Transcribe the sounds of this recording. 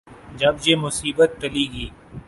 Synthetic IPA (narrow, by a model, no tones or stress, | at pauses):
d͡ʒɐbjeːmʊsiːbət̪̚ːəliːɡiː